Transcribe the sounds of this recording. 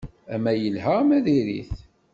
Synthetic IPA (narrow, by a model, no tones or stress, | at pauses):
æmæjəlɦəmæðiɾḭθ